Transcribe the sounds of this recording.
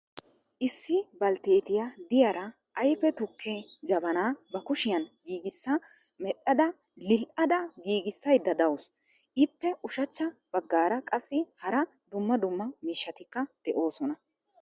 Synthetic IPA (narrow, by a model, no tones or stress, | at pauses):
ʔɪsːɪbɐlt̪eːt̪ɪjad̪ɪjɐɾɐ | ʔɐjfɛt̪ʊkːed͡ʒɐbɐnaːbɐkʊʃɪjɐnɡiːɡɪsːɐ | mɛɗːɐd̪ɐ | lɪlʔɐd̪ɐɡiːɡɪsːɐjd̪ːɐd̪ɐwʊs | ʔɪpːɛʔʊʃɐt͡ʃːɐb̥ɐɡːaːɾɐkʼɐsːɪhɐɾɐ | d̪ʊmːɐd̪ʊmːɐmiːʃːɐt̪ɪkːɐd̪̥ɛʔo̞ːsɔnɐ